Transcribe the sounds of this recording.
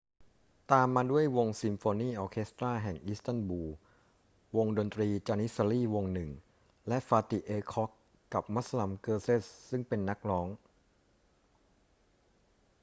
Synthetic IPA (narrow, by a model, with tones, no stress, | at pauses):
t̪aː˧mːaː˧du˥˩əjwo˧ŋsi˧mfoː˧niː˥˩ʔɔː˧kʰe˦˥st̪ɾaː˥˩ɦɛ˨˩ŋʔi˦˥st̪a˥˩nbuː˧ | wo˧ŋdo˧nt̪ɾiː˧t͡ɕaː˧ni˦˥sa˧liː˥˩wo˧ŋnɯ˨˩ŋ | lɛ˦˥ʔfaː˧t̪i˨˩ʔeː˧kʰɔ˦˥kː | a˨˩p̚ma˦˥sa˧la˧mkɤː˧seː˥˩ssɯ˥˩ŋpe˧nːa˦˥k̚lɔː˦˥ŋ